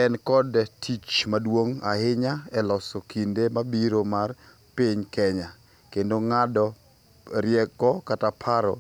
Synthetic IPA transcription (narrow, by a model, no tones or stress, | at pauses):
ɛnkɔdtʰit͡ʃmadwoŋa̰hɪɲaɛlɔsokʰindemabiɾomar | piɲkɛɲa | kendoŋadɔ | ɾjɛkɔkatapʰaɾɔ̰